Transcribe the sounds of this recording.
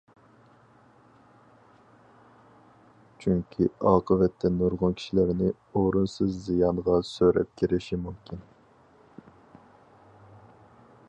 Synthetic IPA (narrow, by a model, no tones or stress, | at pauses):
t͡ʃʰyŋkʲʰiɑːqʰəvɛt̪ʰːɛnuɾʁʊnkʲʰi̥ʃilæɾnɪ | oɾunsɨzːijɑnʁɑsøɾɛ̰p̚kʲʰiɾɪʃimumkʲʰin